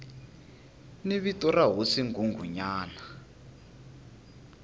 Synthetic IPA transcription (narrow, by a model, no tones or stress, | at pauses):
niβitɔraɦosiŋɡuŋɡʱṵɲaːna